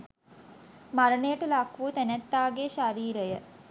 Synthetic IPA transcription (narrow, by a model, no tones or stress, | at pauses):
maɾəɳəjəʈəlakʋuːt̪ænæt̪ːaːɡeʃaɾiːɾejə